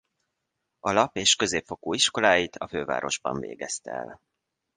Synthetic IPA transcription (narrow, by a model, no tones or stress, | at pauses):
ɒlɒpeːʃkø̞zeːpfo̞koːiʃko̞laːjit̪ʰɒføːva̰ːɾo̞ʒbɒ̰ɱvḛːɡɛst̪ɛɛ̰l